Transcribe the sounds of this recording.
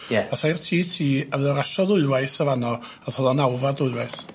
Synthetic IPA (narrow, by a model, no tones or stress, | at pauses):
jɛasajrtʰiːtʰiːavɔɾaʃɔðʊɨwajθavanɔ | aθhɔðɔnawvadʊɨwajθ